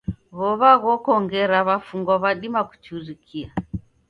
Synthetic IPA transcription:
βɔβaɣɔkɔŋɡɛɾaβafuŋɡɔβaɗimaku̥t͡ʃuɾikʰia

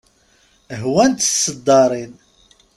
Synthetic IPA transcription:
ɦwænt̪sːəd̪ːɑɾˤin

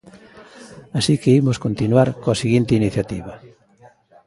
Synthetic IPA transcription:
asikeimʊskont̪inwaɾkoɐsiɣint̪ɪiniθjat̪iβɐ

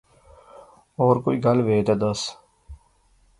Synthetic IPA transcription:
oːɾkoːiːɡɐlʋeːt̪aːd̪əs

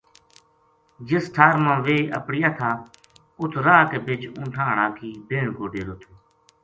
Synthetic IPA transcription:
d͡ʒɪsʈʰaːɾmãːʋeːə̰pɽɪjaːt̪ʰaː | ʊt̪ʰɾaːkeːbɪd͡ʒʊ̃ːʈʰãːɳaːkʰiːbʱeːɳɡoːɖeːɾoːt̪ʰoː

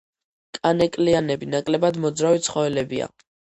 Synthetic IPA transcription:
kʼanɛkʼlianɛbinakʼlɛbad̪mɔd̪zɾavit̪sʰχɔɛlɛbia̰

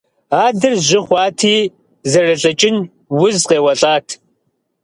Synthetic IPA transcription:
aːdɨrʑɪχʷɑːtʰiː | zɐrɐɬʼɐt͡ʃʼɪn | wʊzqeːwɐɬʼaːtʰ

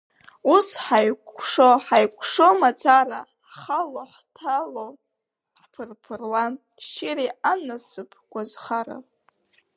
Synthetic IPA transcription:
usħajkʷʰʂoħajkʷʰʂomat͡sʰara | χaloħtʰalow | ħpʰɨrpʰɨrwa | ʃɪɾianasɨpʰʼɡ̥ʷazχaɾa̰

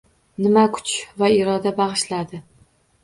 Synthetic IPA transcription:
nɪmakʰʊ̥t͡ʃvaɪɾɒd̪abaʁɨʃlad̪ɪ

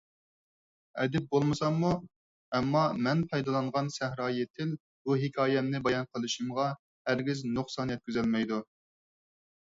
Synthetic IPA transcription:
ɛ̰d̪ɪp̚bolˠmɨsɑŋːu | ɛmːɑmɛnpʰɑjd̪ɑlˠɑɴʁɑnsæhɾɑːjet̪ʰɪl | buɦɪkʲʰɑːjɛmnɪbɑjɑnqʰəlˠɨʃimʁɑ | hæɾɡʲiznoχsɑnjɛt̪̚kʲyzɛlmɛjd̪u

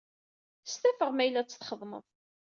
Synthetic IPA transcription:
st̪æfəʁmæjlːæt͡sːə̥θχəðˤmə̰ðˤ

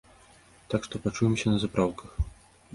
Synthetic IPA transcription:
t̪akʂt̪ɔpat͡ʂujɛmsʲɐnɐzapɾawkɐx

